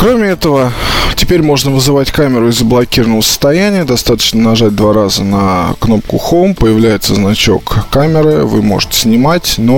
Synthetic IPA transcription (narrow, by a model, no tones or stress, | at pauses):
kɾo̞mʲɪɛt̪əvətʲɪpʲeɾʲmo̞ʐnəvɨzɨvatʲkamʲɪɾʊɪzːəblˠɐkʲiɾnəvəsə̥st̪ɐjænʲɪjəd̪ɐst̪at̪ə̥t͡ɕnənɐʐad̚ʲd̪vaɾazənəkno̞p̚kʊxompəjɪvlʲæjɪt̪səznɐt͡ɕo̞̰kːamʲɪɾɨvɨ̰mo̞̰ʐɨtʲɪ̥sʲnʲɪmatʲno